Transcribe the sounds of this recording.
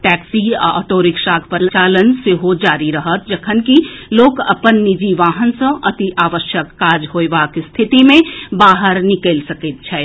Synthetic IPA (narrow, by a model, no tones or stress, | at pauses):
ʈɛːksiə̰t̪oːɾɪkʃaːkʰpət͡ʃaːlənseɦod͡ʒaːɾiɾɐɦət̪̚d͡ʒɐkʰənkiloːkɐpənːid͡ʒiʋaːɦənsə̃ʔɐt̪iʔaːʋəʃjəkːaːd͡ʒɦoːeʋaːkst̪ʰɪt̪imẽbaːɦəɾnɪkeːlsɐkit̪̚t͡ʃʰɛː